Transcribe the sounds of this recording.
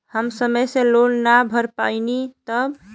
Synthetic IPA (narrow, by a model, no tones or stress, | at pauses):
həmsəməjsẽlonnabʱəɾpa̰ɪnit̪əb